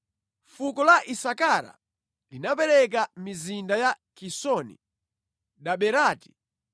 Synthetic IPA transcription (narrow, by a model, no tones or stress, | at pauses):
fukɔlaʔisakaɾa̰ | linapɛɾɛk̬amizindaja | kisɔnḭ | ɗaɓɛɾaːti̥